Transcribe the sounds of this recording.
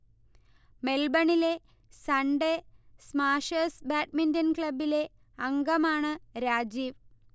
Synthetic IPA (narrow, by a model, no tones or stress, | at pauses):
me̞lbɐɳile̞ | sɐɳɖe̞smaːʂɐːsbaːʈ̚mindɐnkɭɐbile̞ | ɐŋɡɐmaːɳɨɾaːd͡ʑiːʋ